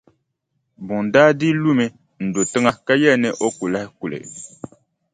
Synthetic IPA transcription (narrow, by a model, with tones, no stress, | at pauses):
bʊ˨n˨daː˦di˦lu˦mɨ˦ | n̩˨do˨tɨ˦ŋa˦ka˦jɛ˦˨nɨ˦ʔo˦ku˨la˦hɪ˦ku˨lɨ̰˨